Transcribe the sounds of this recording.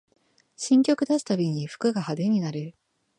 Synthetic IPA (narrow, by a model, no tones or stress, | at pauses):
ɕĩŋkʲo̞kɯ̟d̪asɨ̥t̪abʲiɲ̟iɸɯ̥kɯ̟ɡahad̪e̞ɲ̟inaɾɯ̟